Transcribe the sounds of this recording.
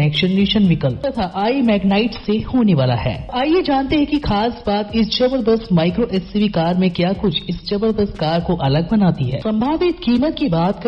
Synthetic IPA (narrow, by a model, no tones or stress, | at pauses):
ɛːkʃənɾiʃənʋɪkəlt̪ɐt̪ʰaʔaːimɛːɡnaːɪʈːehoːneʋaːla̰ɦɛ̰ːaːjed͡ʒaːnt̪eɦɛ̃kixaːsbaːt̪ɪst͡ʃɐbəɾbəsmaːɪkɾoʔɛːsiʋikaːɾmẽkjaːkʊt͡ʃʰɪsd͡ʒɐbəɾbəskaːɾkoʔɐləɡ̚bɐnaːt̪iɦɛ̰ːsɐ̃mbʱaːʋɪt̪kiːmət̪kibaːt̪kɐ